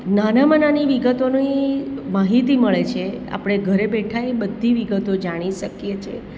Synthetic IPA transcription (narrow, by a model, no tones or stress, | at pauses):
nanamənaniʋiɡət̪onimaɦit̪iməɭet͡ʃʰea̰pɽ̃eɡʱəɾebɛʈʰajbəd̪ʱːiʋiɡət̪od͡ʒaɽ̃iʃəkjet͡ʃʰḛ